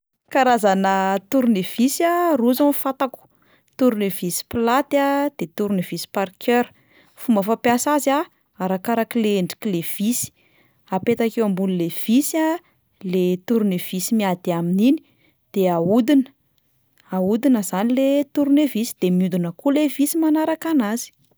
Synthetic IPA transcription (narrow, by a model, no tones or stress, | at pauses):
kaɾazanət̪uɾunev̥isaruzanfat̪aku̥ | t̪uɾunevisi̥plat̪ad̪̥et̪uɾunevisi̥parkʰøɾ | fumbəfapjasaza | aɾakaɾakileeɳɖ͡ʐi̥kilev̥isi̥ | apet̪akewambunilev̥isia | let̪uɾunev̥isimiad̪̥aminini̥ | d̪̥eaud̪inə̥ | aud̪inəzanilet̪uɾunevisi̥d̪̥emiund̪unəkulevisimanaɾakanazi̥